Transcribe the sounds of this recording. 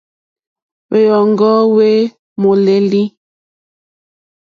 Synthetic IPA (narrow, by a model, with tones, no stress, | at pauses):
be˦jɔ˨ŋ̩˦ɡɔ˦we˦ | mo˨le˨li˦